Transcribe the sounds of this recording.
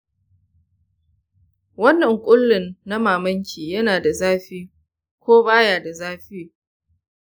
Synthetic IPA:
wɐ˦nːɐ˨ŋkʷʼʊ˦lːɪ˨nːa˦maː˨mɐ˦ŋkʲʰiː˨jɐ˦naː˨da˨zaː˦ɸiː˦ | kʷoː˦baː˦jaː˨da˨zaː˦ɸiː˦

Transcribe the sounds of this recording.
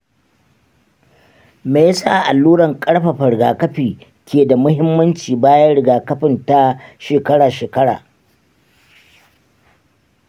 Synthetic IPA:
meː˨ja˦sa̰˦˨ʔa˨lːuː˦ɽɐ˨ŋkʼɐ˦ɽɸa˨ɸɐ˨ɽɡaː˨kɐ˦ɸiː˨ | kʲʰeː˨da˨mʊ˦hɪ˦mːɐ˦nt͡ʃiː˨baː˦jɐ˦ɽɪ˨ɡaː˨kɐ˦ɸɪ˨nta˦ʃeː˨kɐ˦ɽaː˨ʃeː˨kɐ˦ɽa̰ː˨

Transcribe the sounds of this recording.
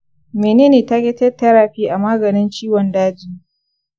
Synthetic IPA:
meː˨neː˦niː˨ta˦kʲe˦tɛ˦tːɐ˦ɾaː˨ɸiː˦ʔa˨maː˦ɡɐ˨nɪ˦nt͡ʃiː˦wɔ˨ndaː˦d͡ʒiː˦

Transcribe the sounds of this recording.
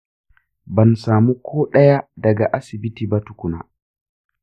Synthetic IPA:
bɐ˨nsaː˨mu˦kʰɔː˦ɗɛ˦ja˦dɐ˨ɡa˨ʔa˦si˨bi˦tibatu˨ku˨na̰˨

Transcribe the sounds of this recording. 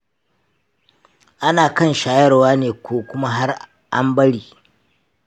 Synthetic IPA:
ʔa˦naː˨kɐ˦˨nʃaː˨jɐ˦rwaː˦neː˨kʰʷoː˨kʷʊ˦ma˦ɦa˦r | ʔa̰˦mbɐ˦ɽiː˨

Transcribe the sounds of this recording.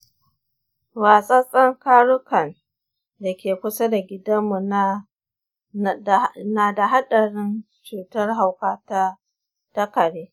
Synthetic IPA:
waː˨sʼɐ˦sʼɐ˦ŋkaː˦ɽʊ˦kɐ˨n | da˨kʲeː˨kʷʊ˦sa˦da˨ɡʲɪ˦dɐ˦mːu˨˦˨ | naː˨da˨ɦa˦ɗɐ˨ɽɪ˦n | t͡ʃuː˨tɐ˦rɦa˨wkaː˦ta˦ | tɐ˦kɐ˨ɽeː˦

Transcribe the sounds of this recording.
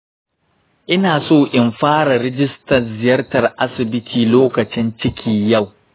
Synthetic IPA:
ʔɪ˦naː˨soː˦ʔɪ˨mɸaː˦ɽɐ˨ɾɪ˦d͡ʒɪ˦stɐ˨zɪ˨jɐ˦rtɐ˨rʔa˦sɪ˨bɪ˦tʰiː˨loː˦kɐ˨t͡ʃɪ˦nt͡ʃɪ˦kʲʰiː˨jɐ˦˨w

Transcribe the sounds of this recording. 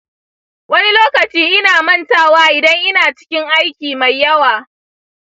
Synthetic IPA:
wɐ˦ni˦loː˦kɐ˨t͡ʃiː˦ʔɪ˦naː˨mɐ˦˨ntaː˦˨waː˦ʔɪ˨dɐ˦ŋʔɪ˦naː˨t͡ʃɪ̥˦kʲɪ˦ŋʔa˦jkʲiː˨ma˨jːɐ˦waː˨

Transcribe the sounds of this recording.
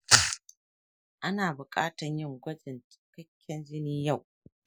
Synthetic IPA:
ʔa˦naː˨bʊ˨kʼaː˦tɐ˨ɲjɪ˦˨ŋɡʷɐ˦d͡ʒɪ˨ntɪ̥˦kɐ˦kʲːɛ˦nd͡ʒɪ˦niː˦ja˦˨w

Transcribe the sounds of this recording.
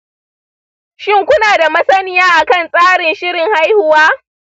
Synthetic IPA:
ʃɪ˦˨ŋkʷʊ˦naː˨da˨mɐ˦sɐ˦nɪ˦jaː˦ʔa˨kɐ˦˨nsʼaː˦ɽɪ˨nʃɪ˦ɽɪ˨ŋha˦jhʊ˦waː˦

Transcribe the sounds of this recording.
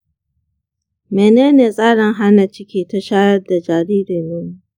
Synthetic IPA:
meː˨neː˦neː˨sʼaː˦ɽɪ˨ŋɦa˦na˨t͡ʃɪ˦kʲiː˦˨ta˨ʃaː˦jɐ˦rda˨d͡ʒaː˨ɾiː˦ɾeː˨neː˦nː˦

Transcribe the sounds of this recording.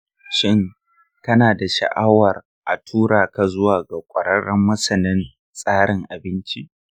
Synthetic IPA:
ʃɪ˦˨ŋ | kɐ˦naː˨da˨ʃɐ̰˨ʔa˦wɐ˨r | ʔa˨tʰuː˦ɽaː˨ka˨zʊ˦waː˨ɡa˨kʷʼɐ˨ɽɐ˦ɽːɐ˦mːɐ˦sɐ˨nɪ˦n | sʼaː˦ɽɪ˨ŋʔa˨bɪ˦nt͡ʃi˦ʔ

